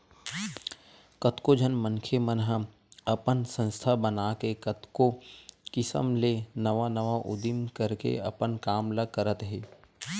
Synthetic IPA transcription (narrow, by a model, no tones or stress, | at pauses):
kət̪kod͡ʒʱənmə̃nkʰemənɦə | ɐpənsə̃nst̪ʰabənaːkekət̪kokɪsə̰mlenəʋanəʋaʔʊ̰d̪ɪmkəɾkḛɐ̰pənkaːmləkəɾət̪ɦeː